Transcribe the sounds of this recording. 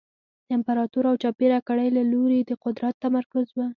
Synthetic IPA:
d̪ɪmpaɾɑt̪uɾawt͡ʃɑpeɾakaɽajlaloɾed̪əqʊd̪ɾat̪ːamaɾkʊzwə

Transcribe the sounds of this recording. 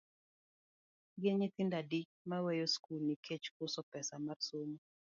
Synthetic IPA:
ɡɪɲɪt̪ɪndadit͡ʃmawejoskulnikʰet͡ʃkʊsɔpɛsamarsomo

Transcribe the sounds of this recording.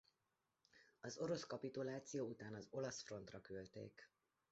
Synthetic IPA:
ɒzo̞ɾo̞skɒpit̪ulaːt̪sijoːut̪aːnɒzo̞lɒsfro̞nt̪rɒkølt̪ḛːk

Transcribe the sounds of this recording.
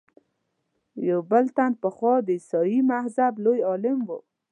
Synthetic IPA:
jowbəlt̪anpəxwɑd̪əsɔjimahzablojɑlɪmwo

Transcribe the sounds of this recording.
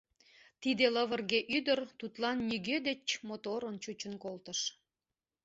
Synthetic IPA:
t̪id̪eləβərɣeʔyd̪ərt̪ut̪lɑnːiɣød̪et͡ɕmot̪oɾənt͡ɕut͡ɕənkolt̪əʃ

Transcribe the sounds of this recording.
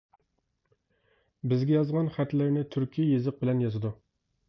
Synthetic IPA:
bɪzɡʲɛjɑzʁɑnχæt̪lɪɾnɪt̪ʰyɾkʲʰijezɨq̚bɪlɛnjɑzɨd̪u

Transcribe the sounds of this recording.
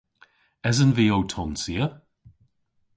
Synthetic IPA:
ɛzənviːowtʰɔnsiə

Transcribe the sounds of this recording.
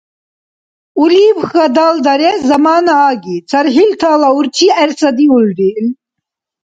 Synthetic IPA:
uliːbxɐd̪aːld̪ɐɾɛzɐmaːnaːɡit͡sʰɐɾɦilt̪ʰaːlauɾt͡ʃʰiæɾsɐd̪iuld̪il

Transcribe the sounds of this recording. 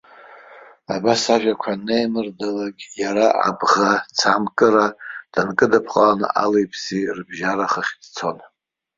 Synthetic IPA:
abasaʒʷᶣakʷʰanejmɨrdalaɡʲjaɾaʔa̰bʁat͡sʰamkʼɨɾad̥ankʼɨdapʰqʼalan̰ʔa̰lejpʰsirbʒaɾaχəχʲd̥t͡sʰo̞n

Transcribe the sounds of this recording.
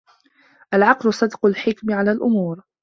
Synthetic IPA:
ʔalʕɑqlʊsˤɨd̪qʊlħɪkmɪʕalaːlʔʊmuːɾ

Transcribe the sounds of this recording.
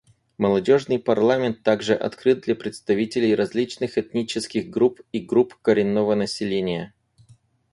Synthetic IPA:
məlˠɐdʲo̞ʐnɨjpɐrlˠamʲɪnt̪ːaɡʐɨʔɐ̰t̪kɾɨt̪̚d̪lʲɐpɾʲɪt̪st̪ɐvʲitʲɪlʲɪjɾɐzʲlʲit͡ɕnɨxɛt̪nʲit͡ɕɪskʲɪɣɡɾupiɡɾupkəɾʲɪnːovənəsʲɪlʲenʲɪjə

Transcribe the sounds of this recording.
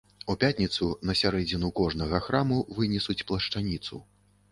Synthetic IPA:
upʲat̪ʲnʲit̪sunɐsʲaɾɛd͡zʲinukɔʐnɐɣɐxɾamuvɨnʲɛsut͡sʲplˠɐʂt͡ʂanʲit̪sṵ

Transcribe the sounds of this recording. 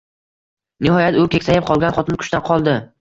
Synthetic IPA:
nɪɦɒjat̪ʊkʲʰekʲsajɪp̚qʰɒlˠɡʲanχɒt̪ɪnkʰʊ̥ʃt̪anqʰɒlˠd̪ɪ

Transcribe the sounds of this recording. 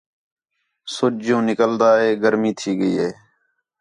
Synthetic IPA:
sʊt͡ʃd͡ʒõːnɪkəld̪aːɦeːɡəɾmĩːt̪ʰiːɡəiːɦeː

